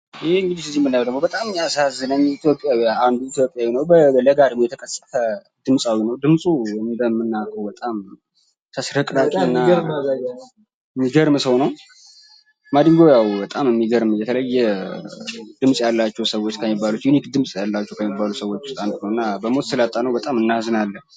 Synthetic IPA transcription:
jheɨŋɡɨd̪isɨzimːɨnːajawd̪əɡmo̞bət̪ʼamɨɲjasazːɨnəɲːit̪ʰjo̞pʼːjawijaand̪uit̪jo̞pʼjawinəwbələɡad̪əɡmojɛt̪ʰəkʼəsʼːət̪ə | d̪̥ɨmsʼawinəwd̪ɨmsʼuɨnd̪əmːɨnːakʰəwbət̪ʼam | t̪ʰəsɾəkʼɾat̪ʼɨnːaɾmɡ | mːiɡəɾmsəwnəw | mad̪ɨŋɡojawbət̪ʼamɨmːiɡəɾmjɛt̪ʰələjːɛ | d̪ɨmsʼjalːat͡ʃːɛwsəwot͡ʃːkʰəmːibːalut̪junikd̪ɨmsʼjalːat͡ʃːɛwkʰəmːibːalusəwo̞t͡ʃːʊ̥st̪ʼant̪ʼnəwɨnːabəmot̪sɨlat̪ʼːanəwbət̪ʼamɨnːazɨnalːən

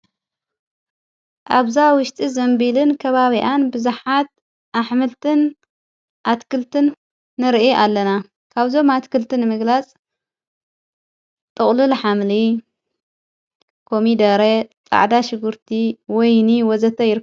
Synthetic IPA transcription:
ʔaβzawʊʃt̪ʼizɐmbilɨnkʰɐβaβiʔanbɨzuħat̪̚ | ʔaħmɨlt̪ʰɨn | ʔat̪kʰɨlt̪ʰɨnː | ɨɾʔiʔalːɐna | kʰaβzo̞mat̪kʰɨlt̪ʰɨnːɨmɨɡlat͡sʼ | t̪ʼɨχʼlɨlħamli | kʰo̞mid̪ɐɾet͡sʼa̰ʕd̪aʃɨɡuɾt̪ʰiwɔjniwɔzɐt̪ʰɐjɪɾ

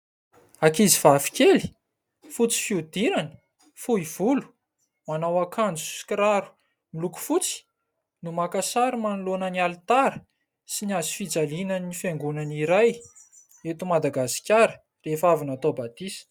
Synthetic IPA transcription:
akizivafi̥kʲeli̥ | fut͡si̥fiud̪iɾanə̥ | fuiv̥ulu̥ | manawakʰand͡zu̥si̥kɾaɾu̥ | miluku̥fut͡si̥ | numakasaɾimanulonənialt̪aɾə | siniazu̥fid͡zalinənifeŋɡunaniɾaj | et̪umad̪aɡasi̥kʲaɾə | refavinat̪obat̪isə̥

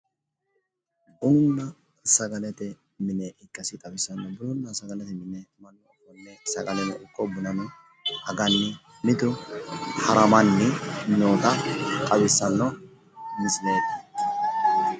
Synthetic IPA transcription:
ʊnːɐ | sɐɡɐlɛt̪ɛ | mɪnɛɪkʼːɐsɪt̪ʼɐwɪsːɐnːɔbʊlʊnːɐsɐɡɐlɛt̪ɛmɪnɛmɐnːɔfɔnːɛsɐɡɐlɛnɛʊkʼːɔbʊnɐnɔ | hɐɡɐnːɪ | mɪd̪ʊhɐɾɐmɐnːɪnoːt̪ɐt̪ʼɐwɪsːɐnːɔ | mɪsɪnetit̪ː

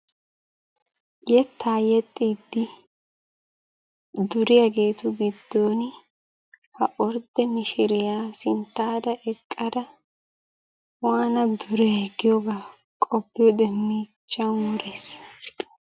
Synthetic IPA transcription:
jɛt̪ʰːaːjɛt̪ʼːiːd̪ːɪ | d̪ʊɾɪjɐɡe̞ːt̪ʊɡɪd̪ːoːn | hɐʔɔɾd̪ɛmɪʃɪɾɪjaːsɪnt̪ːaːd̪ɐʔɛkʼːɐd̪ɐ | waːnɐd̪ʊɾɛɛɡɪjɔɡaː | kʼɔpːɪjɔd̪ɛmːiːt͡ʃʼːɐnːʊɾeːs

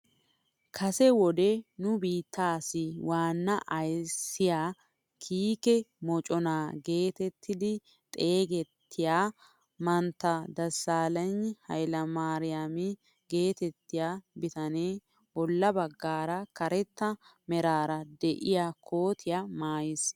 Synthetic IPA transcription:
kʰɐsɛwɔd̪ɛnʊbiːt̪ʰːaːsɪwaːnːɐʔɐjsːɪjaː | kʰiːkɛmɔt͡ʃʼɔnaːɡe̞ːt̪ɛt̪ʰːɪd̪ɪ | t̪ʼe̞ːɡɛt̪ːɪjaː | mɐnt̪ːɐd̪ɐsːaːlɐnhɐ̰jlɐmaːɾɪjamɪ | ɡe̞ːt̪ɛt̪ːɪjaːbɪt̪ɐneː | bɔlːɐbɐɡːaːɾɐkɐɾɛt̪ːɐmɛɾaːɾɐd̪ɛʔɪjaːkʰo̞ːt̪ʰɪjamaːjɪs

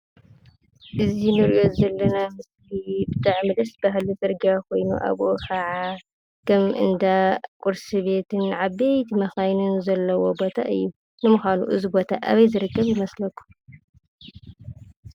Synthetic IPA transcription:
ʔɨzinɨɾiʔo̞zɐlːɐnamɨslibɨt̪ʰʼaʕmɨlɐsbaɦlit͡sʼɐɾɡakʰo̞jnṵʔa̰βʔokʰɐʕa | kʰɐmʔɨ̰nd̪akʷʼuɾsiβe̞t̪ʰɨnʕaβejt̪ʰimɐxajnunzɐlːɐwo̞bot̪ʰaʔɨjːu | nɨmɨxalṵʔɨzibo̞t̪ʰa̰ʔa̰βɐjzɨɾɨkːɐβjɪmɐslɐkʰːu̥m

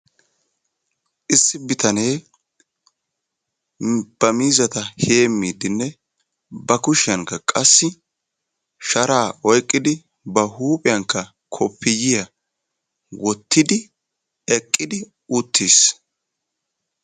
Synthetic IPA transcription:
ʔɪsːɪbɪt̪ɐneː | b̥ɐmiːzɐt̪ɐheːmːiːd̪ɪnːɛ | bɐkʊʃɪjɐŋkːɐkʼɐsːɪ | ʃɐɾaːʔɔjkʼːɪd̪ɪ | bɐhuːpʼɪjɐŋkːɐ | kʰɔpʰːɪjɪjɐ | wɔt̪ːɪd̪ɪ | ɛkʼːɪd̪ɪ | ʊt̪ʰːiːs

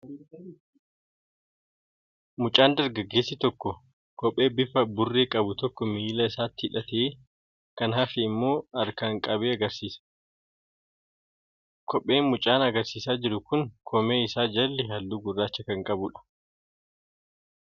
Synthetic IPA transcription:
mʊt͡ʃʼaːnd̪ɐɾɡɐɡːe̞ːsːɪt̪ɔkːɔ | kɔpʼːe̞ːbɪfɐbʊrːeːkʼɐbʊt̪ɔkːɔmiːlɐɪsaːt̪ːɪɪᶑɐt̪eː | kɐnɦɐfɪːmːo̞ːɐɾkaŋkʼɐbeːɐɡɐɾsiːsɐ̥ | kʰɔpʼːe̞ːnmʊt͡ʃʼaːnɐɡɐɾsiːsaːd͡ʒɪɾʊkʊŋkʰɔme̞ːɪsaːd͡ʒɐlːɛɦɐlːuːɡʊrːaːt͡ʃːɐkɐŋkʼɐbʊᶑɐ̥

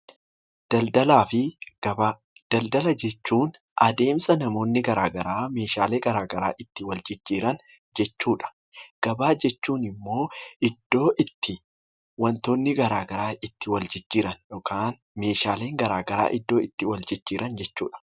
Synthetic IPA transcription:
d̥ɐld̪ɐlaːfɪɡɐb | d̪̥ɐld̪ɐlɐd͡ʒɛt͡ʃːuːn | ʔɐd̪e̞ːmsɐnɐmo̞ːnːɪɡɐɾaːɡɐɾaːme̞ːʃaːleːɡɐɾaːɡɐɾa̰ːʔɪt̪ːɪwɐld͡ʒɪd͡ʒːiːɾɐn | d͡ʒɛt͡ʃːuːᶑɐ̥ | ɡ̥ɐbaːd͡ʒɛt͡ʃːuːnɪmːo̞ːɪd̪̥ːo̞ːʔɪt̪ːɪ | wɐnt̪oːnːɪɡɐɾaːɡɐɾaːʔɪt̪ːɪwɐld͡ʒɪd͡ʒːiːɾɐnjɔːkʰaːn | me̞ːʃaːle̞ːŋɡɐɾaːɡɐɾa̰ːʔɪd̪ːo̞ːɪt̪ːɪwɐld͡ʒɪd͡ʒːiːɾʔɐnd͡ʒɛt͡ʃːuːᶑɐ̥

